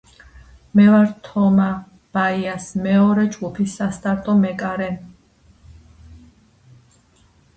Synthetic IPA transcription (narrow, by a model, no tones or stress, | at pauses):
mɛvaɾt̪ʰɔma | b̥aiasmɛɔɾɛd͡ʒɡupʰisːast̪ʼaɾt̪ʼɔmɛkʼaɾɛn